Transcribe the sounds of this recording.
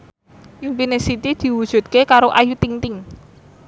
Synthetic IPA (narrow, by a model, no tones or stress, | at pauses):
ʔimpinesit̪id̪̥i̤wud̥ʒ̥ṳt̪̚kekaɾoʔajut̪iŋt̪ɪŋ